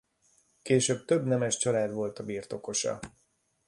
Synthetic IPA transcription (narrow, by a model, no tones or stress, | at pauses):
keːʃøːb̚t̪øbnɛmɛʃt͡ʃɒlaːd̪vo̞lt̪ɒbiːrt̪o̞ko̞ʃɒ̰